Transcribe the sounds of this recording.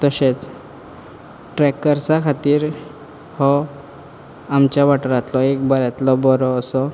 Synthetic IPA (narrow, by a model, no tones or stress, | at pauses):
t̪əɕet͡s | ʈɾɛkːəɾt͡sakʰat̪iːɾ | hɔ | amt͡ɕjabaʈɾat̪lɔekbəɾat̪lɔbɔɾɔːsɔ